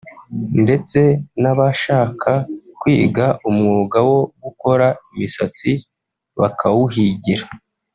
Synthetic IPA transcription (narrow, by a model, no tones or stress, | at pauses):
nde̞t͡se̞naβaʃaːkʰakwiːɡaʔumŋuːɡawo̞ɡuko̞ɾaimisat͡si | βakʰawuɦiɟiɾa